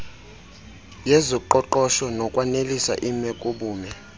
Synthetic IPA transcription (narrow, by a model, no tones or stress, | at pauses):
jɛzɔǃɔǃɔʃɔnɔkʼwanelisa̰ʔimɛkʼuɓuːmɛ